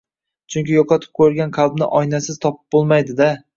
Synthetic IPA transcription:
t͡ʃʰʊŋkʲɪjoqʰɑt̪ʰɪ̥p̚kʲʰɵɾɡʲanqʰɑlˠbnɪ̰ʔɒjnasɪz̥t̪ʰɒpɪ̥b̚bolˠmajd̪ɪd̪a

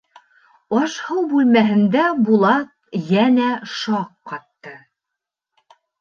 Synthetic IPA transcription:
ɒʃhɤwbʉlmæɦɘ̆nd̪æbulˠɑt̪̚ | jænæʃɑqːɑt̪ːɤ

